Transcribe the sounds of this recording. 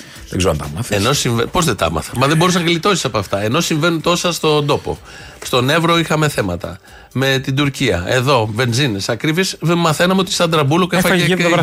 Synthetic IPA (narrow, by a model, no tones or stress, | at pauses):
ðeɡzeɾɐnt̪ɐmɐθeno̞siɱvepo̞zðet̪ɐ̰mɐ̰θɐmɐðebo̞ɾus̬nɐɣlit̪o̞si̥sɐpoɐft̪ɐe̞no̞siɱve̞nunt̪o̞sɐst̪o̞d̪o̞po̞̰ | st̪o̞ne̞vɾo̞ixɐme̞θe̞mɐt̪ɐ̰ | me̞t̪id̪uɾciɐ̰e̞ðo̞ve̞nzinesɐkɾivismɐθe̞nɐmeot̪ist̪ɐnd̪ɾɐbulokefɐe